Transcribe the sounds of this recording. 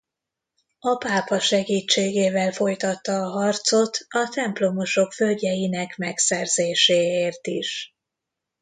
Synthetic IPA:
ɒpaːpɒʃɛɡiːt͡ʃːeːɡeːvɛlfo̞jt̪ɒt̪ːɒːɦɒrt̪so̞t̪ɒt̪ɛmplo̞mo̞ʃo̞kfølɟɛjinɛkmɛksɛrzeːʃeːeːrt̪iʃ

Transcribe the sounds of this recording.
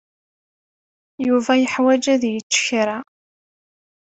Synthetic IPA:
juvæjəħwæd͡ʒæðjət͡ʃːə̥çɾa

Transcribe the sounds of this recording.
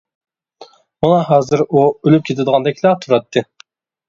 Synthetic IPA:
munɑɦɑːzɨɾuølyp̚kʲʰet̪ʰɪd̪əʁɑnd̪ɛkʲʰilæt̪ʰuɾɑt̪ʰːɨ

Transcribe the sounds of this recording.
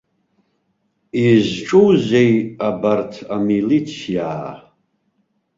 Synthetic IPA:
izʈ͡ʂʼuzejabartʰamilit͡sʰija

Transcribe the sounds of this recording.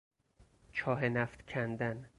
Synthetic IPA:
t͡ʃʰɒːɦenæft̪kʰænd̪æn

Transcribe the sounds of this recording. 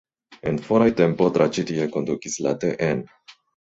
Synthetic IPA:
enfoɾajtempot̪ɾat͡ʃit̪ieko̞nd̪ukisla̰teʔen

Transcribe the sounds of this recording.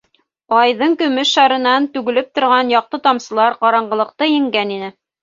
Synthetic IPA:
ɑjðɤɴkɵ̆mɘʃːɑɾɤ̆nɑnt̪ʉɡɘ̆lɘp̚t̪ŏɾʁɑnjɑq̚t̪ɤt̪ɑmsɤ̆lˠɑɾqɑɾɑɴɢɤ̆lˠɤ̆q̚t̪ɤjɘ̆ŋɡæninɘ

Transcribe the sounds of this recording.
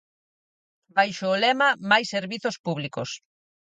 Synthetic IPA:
bajʃoːlɛmɐmajsːeɾβiθospuβlikos

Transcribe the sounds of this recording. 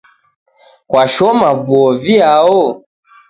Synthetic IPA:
kwaʃɔmavuɔviaɔ

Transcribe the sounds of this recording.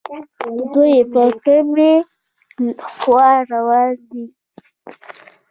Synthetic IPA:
d̪ujepəkəme | xwɑɾawɑnd̪i

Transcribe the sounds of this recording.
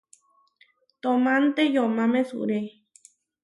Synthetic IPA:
t̪omãnt̪ejomãmẽsṵʔɾe

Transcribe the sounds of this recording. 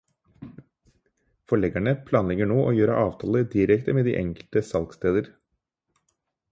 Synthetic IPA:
fɔɭɛɡæɳəpʰlɑːnlɛɡəɳoːʔoːjøːɾə̰ʔɑːʋt̪ʰɑːləd̪ɪɾɛkt̪əmeːd̪ḭːʔɛŋkəlt̪əsɑlkst̪eːd̪əɾ

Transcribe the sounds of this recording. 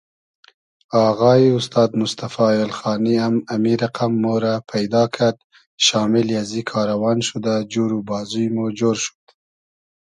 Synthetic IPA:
ɑːɣɑːiʊst̪ɑːd̪mʊst̪afɑjalxɑːniamamiɾaqamːoɾapʰajd̪ɑkʰad̪̚ | ʃɑːmɪljazikʰɑːɾawɑːnʃud̪ad͡ʒuɾubɑːzujmod͡ʒoɾʃu̥d̪̥

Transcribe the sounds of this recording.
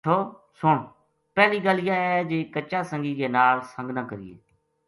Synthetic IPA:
oː | sʊɳ | pɛːliːɡəlːjaːɛd͡ʒeːkət͡ʃːaːsə̃ŋɡiːɡeːnaːlsə̃ŋɡnãːkəɾɪ̰ḛː

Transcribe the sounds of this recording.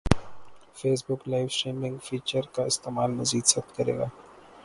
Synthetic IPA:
feːsbʊklaːɪʋʃeːmɪ̃ŋɡfiːt͡ʃəɾkaɪst̪eːmaːlmɐziːd̪sɐkt̪kɐɾḛːɡaː

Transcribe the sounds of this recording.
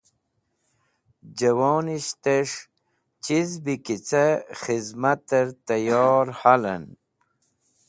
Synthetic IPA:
d͡ʑəwoːniɕt̪eʂ | t͡ɕizbikit͡saχizmat̪əɾt̪ɐjɔːɾhalə̰n

